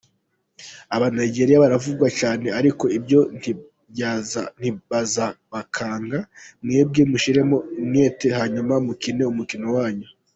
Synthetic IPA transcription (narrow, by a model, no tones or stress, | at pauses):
aβanajɟe̞ɾijaβaɾavub̚ɡwacaːne̞aɾiko̞ibɟo̞n | an̥iβazaβakʰaːŋɡamŋeːb̚ɡimuʃiɾe̞momŋetehaɲumaumukine̞umukino̞waːɲo